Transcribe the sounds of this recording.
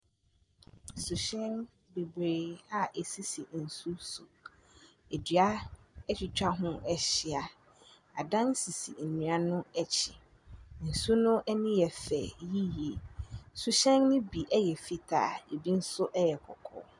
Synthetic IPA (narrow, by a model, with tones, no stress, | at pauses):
su˨ɕɛ̃˦n | be˨be˨a˦e˨si˦si˨n̩˨su˦su˨ | e˨dɥa˦ɛ˦t͡ɕʰᶣɪ˨t͡ɕᶣa˦ɦʊ̃˦ɛ˨ɕi˦a˨ | a˨dã˦n˦si˨sḭ˨m̩˨nĩ˨a˨nʊ̃˦ɛ˦t͡ɕʰɪ˨ | n̩˨su˦nʊ̃˦ʔɛ˦nĩ˦jɛ˨fɛ̰˨ji˦je˨su˨ɕɛ̃˦nnʊ̃˦bi˨ʔɛ˦jɛ˨fi˨tʰa̰ː˨e˨bi˦n̩˦sʊ˦ʔɛ˦jɛ˨kʰɔ̰˨kʰɔ̰˦